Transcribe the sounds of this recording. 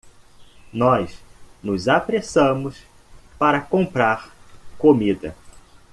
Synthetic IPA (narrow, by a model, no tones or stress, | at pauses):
nɔsnʊzapɾesɐ̃mʊs | paɾɐkõpɾaɾkomid̪ɐ̰